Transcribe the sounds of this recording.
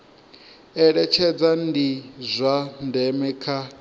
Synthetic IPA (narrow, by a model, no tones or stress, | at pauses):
ɛɺɛt͡ʃʰɛd͡zandizʷandɛmɛkʰa